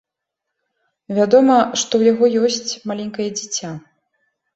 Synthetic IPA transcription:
vʲad̪ɔmɐʂt̪ɔwjaɣɔjɔsʲt͡sʲmalʲɛŋʲkɐjɛd͡zʲit͡sʲːa

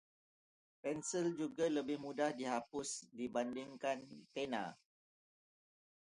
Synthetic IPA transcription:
pɛnsild͡ʒuɡaləbɪhmudahdiɦapʊsdibandɪŋkant̪ena̰

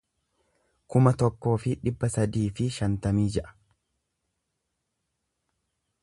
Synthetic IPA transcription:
kʊmɐt̪ɔkːo̞ːfɪᶑɪbːɐsɐd̪iːfɪʃɐnt̪ɐmiːd͡ʒɛʔɐ̥

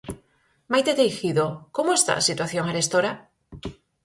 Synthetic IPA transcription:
majt̪eðejxiðokomoest̪a̰sit̪waθjoŋeɾest̪oɾa

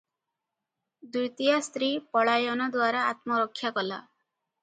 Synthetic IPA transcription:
d̪ujt̪ijast̪ɾipɔɭajɔnɔd̪waɾaat̪mɔɾɔkʰːjakɔla̰

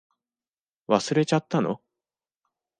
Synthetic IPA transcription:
βasɨɾe̞t͡ɕat̪ːano̰

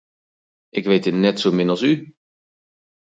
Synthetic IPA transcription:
ʔɪkʋejt̚dɪtnɛtsowmɪnɑlˠsy

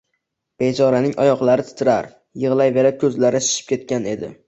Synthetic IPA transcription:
b̥ed͡ʒɒɾanɪŋʔɒjɒqlˠaɾɪt̪ʰɪ̥t̪ʰɪɾaɾ | jɨʁlˠajve̞ɾakʲʰɵzlaɾɪʃɪ̥ʃʰɪ̥p̚kʲe̞t̪̚kʲane̞d̪ɪ̰

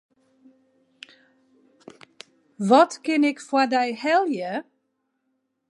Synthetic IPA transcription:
ʋɔtkɪnɪkfwadɛjhɛlˠjə

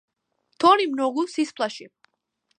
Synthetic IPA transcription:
t̪ʰɔnimnɔɡusispʰlaʃi

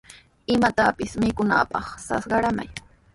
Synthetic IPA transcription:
ɪmat̪apɪsmɪkʊna̰ːpɑχsɑ̰sɢɑɾama̰j

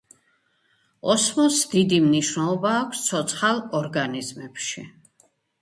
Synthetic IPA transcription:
ɔsmɔsd̪id̪imniʃnɛlˠɔbaːkʷʰst̪sʰɔt̪sʰχalˠɔɾɡanizmɛpʃḭ

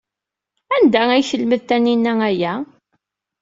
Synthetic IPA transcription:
ænd̪ææjçəlməðt̪æninːææjæ

